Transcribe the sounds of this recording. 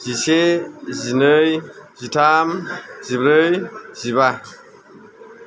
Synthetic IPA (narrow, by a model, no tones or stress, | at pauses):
zisezinəjzitʰamzibɾəjziβa